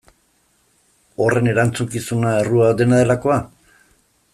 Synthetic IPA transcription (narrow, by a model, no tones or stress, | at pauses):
o̞re̞ne̞ɾant͡sukisunaeruad̪e̞naðe̞lako̞a